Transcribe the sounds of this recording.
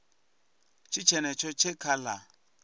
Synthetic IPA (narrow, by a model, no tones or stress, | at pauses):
t͡ʃʰit͡ʃʰɛnɛt͡ʃʰɔt͡ʃʰɛkʰala